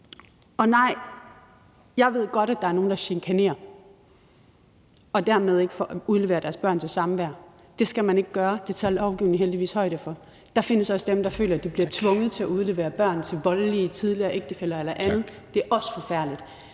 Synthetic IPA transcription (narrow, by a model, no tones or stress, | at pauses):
ɒ̽nɑ̈ɪ̰ | jɑ̈ɪʋe̝ð̞̰ˠɡ̥ɒ̽ɾ̥æd̥ɑ̈æɐno̝ːn̩d̥ɑ̈ɕeŋkʰæne̝̰ːɐ | ɒ̽d̥æɐ̰með̞ˠe̝ɡ̥fɒuðˠle̝ʋḛːɐɾ̥æɐsb̥ɶɐ̰nt͡sʰe̝lsɑ̈mʋæɐ̰ | d̥e̝sɡ̥æmæne̝ɡ̥əɡ̥ɶːɐd̥e̝t͡sʰælɒʊɡ̥iʊ̰neŋ̩ɦeld̥iʋḭːshɒ̽ɪ̰d̥əfɒ̽ | d̥ɑ̈fe̝n̰əsɒ̽səd̥emd̥ɑ̈fø̰ːlɐæd̥ib̥liɐt͡sʰʋɔ̽ŋð̞̩ˠt͡sʰe̝æʔuð̞ˠle̝ːʋe̝ːɐb̥ɶɐ̰nt͡sʰe̝lʋɒ̽lliət͡sʰið̞ˠliɐːʔeɡ̥̚d̥əfel̰ɐelɐʔænð̞̩ˠ | d̥e̝æɐʔɒ̽sə̥fɒ̽fæɐ̰lid̥